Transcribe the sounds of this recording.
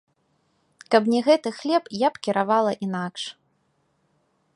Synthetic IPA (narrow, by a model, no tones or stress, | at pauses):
kɐp̬nʲɛɣɛt̪ɨxlʲɛpjapkʲiɾavalˠɐʔinakʂ